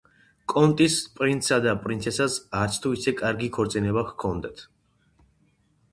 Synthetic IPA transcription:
kʼɔnt̪ʼispʼɾint̪sad̪apʼɾint̪sʰɛsasaɾt̪sʰt̪ʰuisɛkʼaɾɡikʰɔɾt̪sʼinɛbaχkʰɔnd̪at̪ʰ

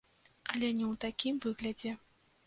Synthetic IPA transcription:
ɐlʲɛnʲɛwt̪akʲimvɨɣlʲɐd͡zʲɛ

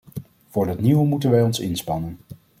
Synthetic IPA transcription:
v̥ʊːɹdɑtniʋəmutənʋɛjɔnsɪnspɑnən

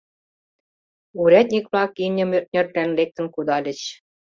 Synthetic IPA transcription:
uɾæt̪̚ʲnʲikβlɑkinʲɤ̆mørt̪̚nʲɘ̆rt̪ɾænlek̚t̪ə̆nkud̪ɑlʲɘ̆t͡ɕ

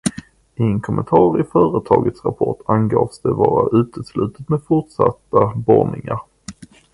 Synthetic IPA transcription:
ɪɛnkʰɔmʔənt̪ʰɑːɾɪfœːɾət̪ʰɑːɡət̪sɾapʰɔʈʰanɡɑːfsd̪ɛbɑːɾaʔʉ̟ːt̪əslʉ̟ːt̪ət̪meːd̪fʊʈʂat̪ːabɔnɪŋaɾ

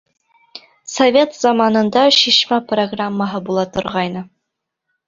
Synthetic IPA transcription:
sɐvʲet̪z̥ɑmɑnɤ̆nd̪ɑʃiʃmæproɡramːəɦɤbulˠɑt̪ŏɾʁɑjnɤ

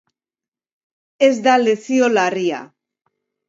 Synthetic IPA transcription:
e̞zd̪ale̞siolaria̰

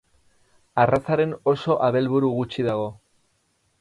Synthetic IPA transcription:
arat͡saɾe̞no̞so̞ʔaβe̞lβuɾuɣut͡ʃiðaɣ̞o̞

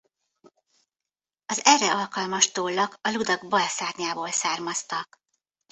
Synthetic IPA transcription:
ɒzɛrːɛɒlkɒlmɒʃt̪oːlːɒkɒlud̪ɒɡ̚bɒlsaːt̪ɲaːboːlsaːrmɒst̪ɒk

